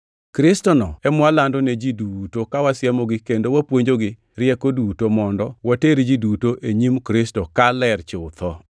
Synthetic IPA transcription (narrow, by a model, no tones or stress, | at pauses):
kɾɪstɔnɔɛmwalandɔnɛd͡ʒidutokawasjɛmɔɡɪkendowapwoɲd͡ʒoɡɪ | ɾɪɛkodutomɔndɔwateɾd͡ʒidutoʔeɲimkɾɪstɔkalɛrt͡ʃʊt̪ʰɔ